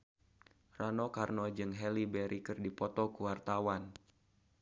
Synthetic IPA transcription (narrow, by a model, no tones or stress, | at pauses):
ranɔkarnɔd͡ʒɨŋɦɛlibɛɾʔikɨrdipɔt̪ɔkuwart̪awan